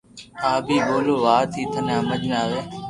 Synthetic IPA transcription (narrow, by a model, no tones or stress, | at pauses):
aːbʱiːɓoːloːʋaːt̪ʰiːt̪ʰənãːməd͡ʒmaːʋeː